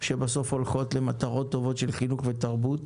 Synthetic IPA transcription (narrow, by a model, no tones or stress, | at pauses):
ʃe̞baso̞fho̞lχo̞tle̞mat̪aʁo̞t̪ːo̞vo̞tʃe̞lχinuχve̞taʁbut